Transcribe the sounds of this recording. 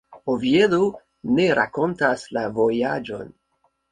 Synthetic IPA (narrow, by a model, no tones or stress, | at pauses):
oviedo | ne̞ɾa̰ko̞ntaslavo̞jad͡ʒo̞̰n